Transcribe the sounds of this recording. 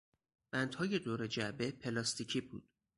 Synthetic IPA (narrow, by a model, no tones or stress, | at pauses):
b̥ænd̪hɒːje̞d̪oːɾe̞d͡ʒæbe̞pʰe̞lɒːst̪ʰicʰibṵːd̪̥